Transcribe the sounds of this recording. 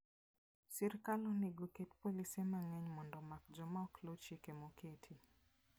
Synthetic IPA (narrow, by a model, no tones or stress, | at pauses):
siɾkalɔniɡoketpolisɛmaŋɛɲmɔndɔmak̚d͡ʒɔmaɔklot͡ʃikemokʰetʰi